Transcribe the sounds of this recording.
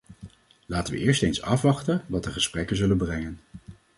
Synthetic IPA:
laːtənʋə̰ʔɪːɹstejnsɑ̰fʋɑχtəndɑt̚dəχəsprɛkənzɵlənbrɛŋən

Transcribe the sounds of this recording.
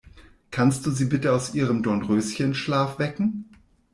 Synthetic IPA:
kʰanst̚d̥uːziːbɪtəaʊsʔiːʁəmdɔɐnʁøːsçənʃlaːfv̥ɛkŋ̩

